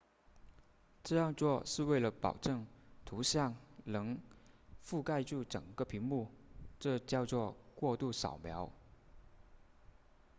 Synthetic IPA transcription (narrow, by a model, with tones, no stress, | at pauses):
ʈ͡ʂɤ˥˧jɑ˥˧ŋt͡swɔ˥˧ʂɻ̩˥˧we˥˩ɪlə˩pɑ̰˨˩ʊʈ͡ʂɤ˥˩ŋt̪ʰu˧˥ɕjɑ˥˩ŋnɤ˧˥ŋ | fu˥˧ka˥˧ɪʈ͡ʂu˥˩ʈ͡ʂə̰˨˩ŋɡə˧˦pʰi˧˥ŋmu˥˩ʈ͡ʂɤ˥˧t͡ɕjɑ˥˧ʊt͡swɔ˥˧kwɔ˥˧t̪u˥˩ʂɑ̰˨˩ʊmjɑ˧˥ʊ